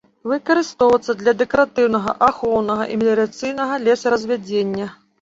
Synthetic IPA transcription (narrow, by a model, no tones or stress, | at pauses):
vɨkɐɾɨst̪ɔwvɐt̪sːɐd̪lʲɐd̪ɛkɐɾat̪ɨwnɐɣɐ̰ʔaxɔwnɐɣɐʔimʲelʲɛɾat̪sɨjnɐɣɐlʲɛsɐɾɐzʲvʲad͡zʲenʲːɐ